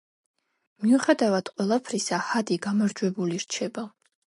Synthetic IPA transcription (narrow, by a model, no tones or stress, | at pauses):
miuχɛd̪avad̪̥qʼwɛlˠapʰɾisahad̪iɡamaɾd͡ʒwɛbuliɾt͡ʃʰɛba